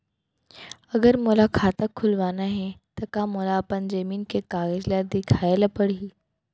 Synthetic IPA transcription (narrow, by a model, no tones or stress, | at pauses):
ɐɡəɾmolakʰaːt̪akʰːʊlʋaːnaɦɛt̪ɐkamolaːpənd͡ʒɐmiːnkekaːɣəd͡ʒlad̪ɪkʰaːelapɐɽiiː